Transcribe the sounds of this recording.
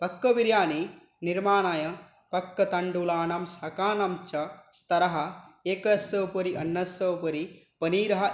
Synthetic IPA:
pɐkːɐʋiɾjaːni | niɾmaːnajɐ | pɐkːɐt̪ɐɳɖulaːnɐmsɐkaːnɐmt͡ʃɐst̪ɐɾɐɦɐeːkɐsɐwpɐɾiʔɐnːɐsɐwpɐɾi | pɐniːɾɐɦɐ

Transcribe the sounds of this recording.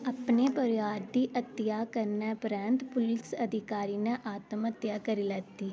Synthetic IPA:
əpneːpəɾjaːɾd̪iːʔət̪jaːkəɾnɛpɾɛ̃nt̪pʊlɪsəd̪ʱɪkaːɾiːnɛʔaːt̪əmət̪jaːkəɾiːlɛːt̪ːiː

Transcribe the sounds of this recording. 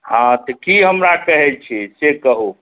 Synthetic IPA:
hãt̪ɔkiɦəmɾakəɦɛlt͡ʃʰisekəɦu

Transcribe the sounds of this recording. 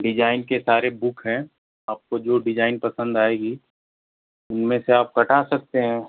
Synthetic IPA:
ɖɪd͡ʒaːɪnkesaːɾebʊkʰɦɛ̃ | aːp̚kod͡ʒoːɖɪd͡ʒaːɪnpɐsə̃nd̪aːeːɡi | ʊnmẽseaːp̚kɐʈaːsɐk̚t̪eɦɛ̃ː

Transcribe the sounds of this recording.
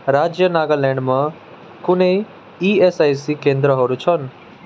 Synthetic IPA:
ɾaːd͡ʒjənaːɡəlɛ̃ːɳɖmɐ̃ | kʊne | iːesaːjsikẽːnd̪ɾəɦoːɾut͡ʃʰɔn

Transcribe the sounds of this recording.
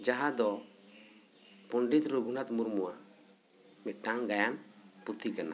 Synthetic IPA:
d͡ʒaɦãd̪ɔ | pɔɳɖit̪ɾuɡʱunat̪muɾmuwa | mɛt̪̚ˀʈaŋɡajanput̪ʰikana̰

